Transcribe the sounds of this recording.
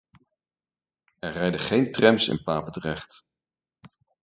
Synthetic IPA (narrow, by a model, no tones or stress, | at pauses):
ɛɹrɛjdəχejntrɛmsɪ̰npaːpətərɛχt